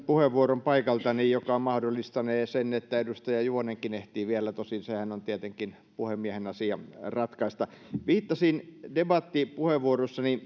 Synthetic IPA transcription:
puheʋːuorompɑikɑlt̪ɑnijjokɑmɑhdolːˑist̪ɑneːsenːet̪ːæedust̪ɑjɑjuoneŋkineht̪iːʋiælːæt̪osinsehænont̪iet̪eŋkin | puhemmːiæhenɑsiɑrɑt̪kɑist̪ɑʋiːt̪ːɑsindebɑt̪ːipuheʋʋuorosːɑni

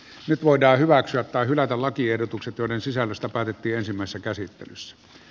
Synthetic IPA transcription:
nyt̪ʋoˑedˑɑːhyʋæksyæt̪tɑˑehylæt̪ællɑkiehdot̪ukset̪joˑĕɾensisælːøst̪æpæːt̪et̪ːiːensimːˑæˑesesːækæsit̪ːḛlysːæ̥

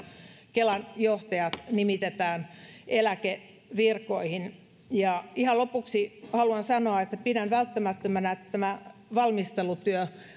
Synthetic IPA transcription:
kelɑnjoht̪ɑjɑt̪nimit̪et̪æːnʔelæke | ʋirkoihin | jɑihɑlopuksihɑluɑnsɑnoɑet̪ːæpidænʋælt̪ːæmæt̪ːømænæet̪ːæt̪æmæʋɑlmist̪elut̪yø

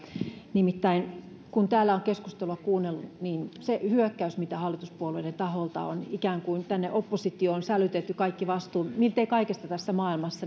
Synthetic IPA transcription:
nimit̪ːæin | kunt̪æːlːæoŋkeskust̪eluɑkuːnːelːuniːnsehyøkːæysmit̪æhɑlːit̪uspuolueiɾent̪ɑholt̪ɑ̰o̰nikæːŋkuint̪ænːeʔopːosit̪ːˑioːnsælyt̪et̪ːykɑikːiʋɑst̪uːmilt̪eikɑikest̪ɑt̪æsːæmɑːilmɑsːɑ

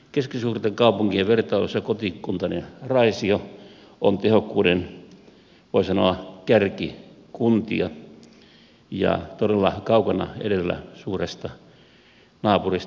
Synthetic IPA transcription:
keskisuːrt̪eŋkɑupuŋkieʋʋert̪ɑˑːlosːɑkot̪ikkunt̪ɑnḛrɑisio | ont̪ehokːuːden | ʋoisɑnoɑkærki | kunt̪iɑ | jɑ̰t̪odelːɑkɑukɑnɑ̰ḛdelːæ̰suːrest̪ɑ | nɑːpuris

